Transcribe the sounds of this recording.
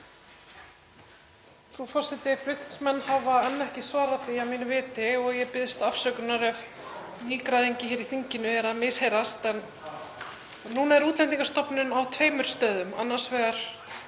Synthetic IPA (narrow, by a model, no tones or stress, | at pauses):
θɾufɔr̥sɪt̪ɪflʏht̪ksmɛnːhavaɛnːɛhcɪsvaːɾaθiawmiːnʏvɪːt̪ɪɔɣjɛpɪðst̪afsœːkʏnaɾɛv | niːkɾaðejɲcɪçɛːɾiθiɲcɪnʏɛɾamɪshejɾast̪ɛn | uːnaɛɾuːt̪lɛnt̪iŋkḁst̪ɔpnʏnawt̪ʰveːjmʏɾ̥st̪œːðʏma̰nːḁsvɛːɣaɾ̥